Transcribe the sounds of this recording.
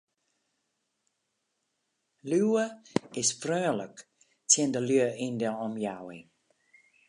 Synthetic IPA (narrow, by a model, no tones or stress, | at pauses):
lyəɪsfrøːlək | tʰɪndəljøəindəlɔmjawɪ̰n